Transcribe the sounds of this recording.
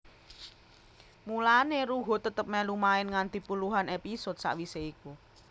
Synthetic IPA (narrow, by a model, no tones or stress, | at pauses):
mulaneɾuɦo̤t̪ət̪əp̚mɛlumaɪnŋant̪i̤puluɦanepisɔt̪̚sa̰ʔwiseiku